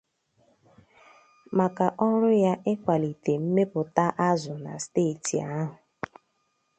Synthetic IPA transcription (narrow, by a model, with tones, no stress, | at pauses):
ma˨ka˨ʔɔ˦ɾʊ˦ja˦ʔɪ˦kʷa˨li˨te˨m̩˦me˦pʊ˨ta˦ʔa˦zʊ˨na̰˨steː˦˨ti˨a˦ɦʊ˨